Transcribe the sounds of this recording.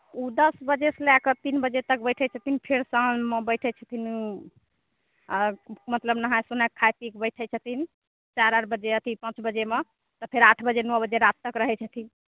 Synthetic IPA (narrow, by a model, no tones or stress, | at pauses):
ud̪əsbəd͡ʒeslakət̪inbəd͡ʒet̪ək̚bəjʈʰɛt͡ʃʰət̪ʰinpʰeɾsə̃mebəjʈʰɛt͡ʃʰət̪ʰin | mət̪ləbnəɦãsunakʰːajpikbəʈʰət͡ʃʰət̪ʰin | t͡ʃaɾəɾbəd͡ʒeət̪ʰipãt͡ʃbəd͡ʒeme | t̪ɔpʰeɾaʈʰbəd͡ʒenəbəd͡ʒeɾat̪ːəkɾəɦɛt͡ʃʰət̪ʰin